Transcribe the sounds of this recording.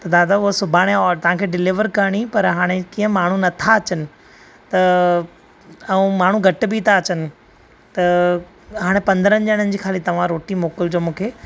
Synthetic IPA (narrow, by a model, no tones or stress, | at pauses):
t̪ɐd̪aːd̪aʊɦosʊbʱaːɽ̃eɔt̪ɐʋ̤ãkʰeːɖɪlɪʋəɾkɐɾɽ̃ipɐɾɦaːɽ̃ekiːə̃maːɳ̤unɐt̪ʰaɐt͡ɕənɪ̆ | t̪ɐ | ɛ̃maːɳ̤uɡʱɐʈbɪːt̪ʰaɐt͡ɕənɪ̆ | t̪ɐ | ɦaːɽ̃epɐ̃nd̪ɾə̃nd͡ʑəɽ̃ənɪ̆d͡ʑiːkʰaːlit̪ɐʋ̤ãɾoːʈimoːkɪld͡ʑoːmũːkʰeː